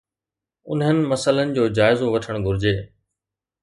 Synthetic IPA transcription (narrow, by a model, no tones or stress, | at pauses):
ʊnɦənɪ̆mɐsələnɪ̆d͡ʑoːd͡ʑaːɪzoʋɐʈʰəɽ̃ɡʱʊɾɪd͡ʑeː